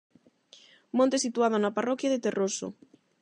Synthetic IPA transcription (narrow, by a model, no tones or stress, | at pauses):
mõnt̪esit̪uað̞onaparɔkjaðet̪eroso̰